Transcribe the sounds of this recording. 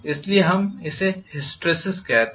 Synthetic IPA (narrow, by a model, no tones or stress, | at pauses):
ɪslieɦɐmɪsehɪsʈɾesɪskɛɦt̪